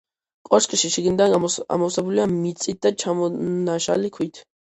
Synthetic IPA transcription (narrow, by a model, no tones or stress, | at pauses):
kʼɔʃkʼiʃiʃiɡnid̪aa̰mɔsabuliamit̪t͡s̪ʼit̪̚d̪at͡ʃʰamɔnaʃa̰likʰwit̪ʰ